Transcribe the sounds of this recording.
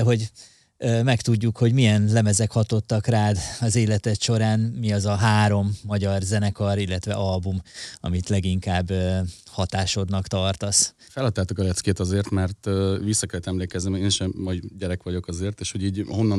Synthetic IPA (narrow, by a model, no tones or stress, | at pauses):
ɛɦo̞ɟ | øːmɛkt̪uɟːukho̞ɟmijɛnlɛmɛzɛkhɒt̪o̞t̪ːɒkraːd̪ɒzeːlɛt̪ɛt̪ʃo̞ɾaːnmiɒzɒɦaːɾo̞mːɒɟɒrzɛnɛkɒɾilːɛt̪ʋɛ̰ʔɒlbumɒ̰mit̪lɛɡiŋkaːbø | hɒt̪aːʃo̞d̪nɒkt̪ɒrt̪ɒs | fɛlhɒt̪ːaːt̪okɒlɛt̪skeːt̪ɒzeːrt̪mɛrt̪visːɒkɛlːɛt̪ɛmleːkɛznimeːnʃɛmːɒjɟɛɾɛkʋɒɟo̞kɒzeːrt̪eːʃho̞ɟiːɟho̞nːɒ